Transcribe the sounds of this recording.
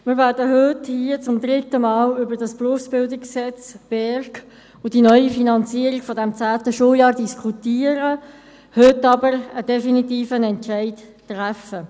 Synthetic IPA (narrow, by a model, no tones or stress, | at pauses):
mɪːɾʋɛːɾdəɦʏthiət͡sʊmd̪ʁɪtəmɑːlʏbəɾdɑspruəfsb̥ɪldɪkssɛt͡sb̥ɛɾk | ʊdinœʏifinɑnt͡siːəɾikfɔdɛmt͡sæːt̪əʃuəljɑːʁdiskʰutiːəɾə | høtːɑbəɾəd̥ɛfinitiːfənɛnt͡ʃæɪttʁæfə